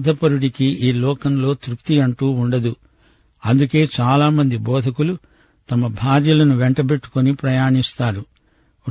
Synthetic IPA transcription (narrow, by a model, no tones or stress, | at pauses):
d̪ʱɐpɐɾuɽikiiːlɔːkɐmlo̞ːt̪ɾukt̪iɐɳʈuːuɳɖɐd̪u | ɐnd̪uke̞ːt͡ʃaːlaːmɐnd̪ibɔːd̪ʱɐkulu | t̪ɐmɐbʱaːɾjɐlɐnuʋɛɳʈɐbe̞ʈːu̥konipɾɐjaːɳist̪aːɾu